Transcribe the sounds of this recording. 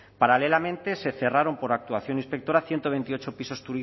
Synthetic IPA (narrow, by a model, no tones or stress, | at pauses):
paɾale̞lamẽ̞nt̪e̞se̞θe̞raɾo̞mpo̞ɾak̚t̪uaθjo̞nĩnspe̞k̚t̪oɾaθje̞nt̪o̞βe̞nt̪iot͡ʃo̞piso̞st̪uɾi